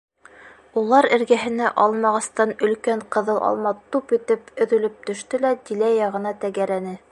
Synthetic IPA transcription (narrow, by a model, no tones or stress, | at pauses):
ulˠɑɾɘ̆ɾɡæɦɘ̆næʔɑlˠmɑʁɑst̪ɑnɵ̆lkæɴqɤ̆ðɤlˠʔɑ̰lˠmɑt̪upɵ̆t̪ɘpɵ̆ðɵ̆lɵp̚t̪ɵ̆ʃt̪ɘlæt̪ilæjɑʁɤ̆nɑt̪æɡæɾænɘ